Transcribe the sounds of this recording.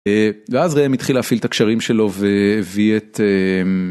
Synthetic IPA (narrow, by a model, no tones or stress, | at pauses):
eveazʁeamit̪χilafilt̪akʃaʁimʃe̞lo̞veːviet̪em